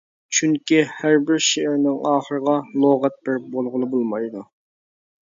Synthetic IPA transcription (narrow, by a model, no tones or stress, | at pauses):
t͡ʃʰyŋkʲihæɾbɪɾʃeʔɪɾnɪŋɑːχəɾəʁɑlˠoʁɛt̪̚bɪɾbolˠʁʊlˠɨbolˠmɑjd̪u